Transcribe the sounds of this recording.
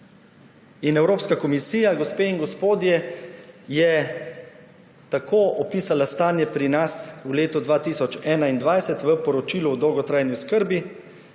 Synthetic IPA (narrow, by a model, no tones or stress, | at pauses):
inɛwɾoːpskakɔmisiːjaɡɔspeːinɡɔspoːd̪jɛ | jɛ | t̪akʰoːʔɔpiːsalast̪aːnjɛpɾinasuleːt̪ɔd̪ʋaːt̪iːsɔt͡ʃɛːnaind̪ʋajsɛt̪ʋəpɔɾɔt͡ʃiːluɔd̪ɔwɡɔt̪ɾaːjniuskəɾbi